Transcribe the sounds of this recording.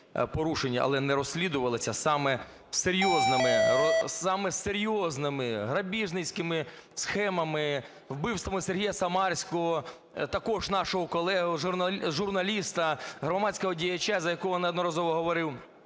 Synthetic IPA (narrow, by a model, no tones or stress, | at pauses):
pɔɾuʃenʲːɐʔɐ̰lˠɛnɛɾɔsʲlʲid̪ʊʋɐlˠɪsʲɐsɑmɛ | seɾʲjɔznɪmɪ | ɑmɛseɾʲjɔznɪmɪɦɾɐbʲiʒnɪsʲkɪmɪsxɛmɐmɪ | wbɪwst̪ʋɐmɪserɦijɐsɐmɑrʲsʲkɔɦɔ | t̪ɐkɔʒnɑʃɔɦɔkɔlˠɛɦʊɐʒʊrnɐlʲist̪ɐɦɾɔmɑt͡sʲsʲkɔɦɔdʲijɐt͡ʃːazɐjɐkɔɦɔnɪɐd̪nɔɾɐzɔʋɔɦɔʋɔɾɪw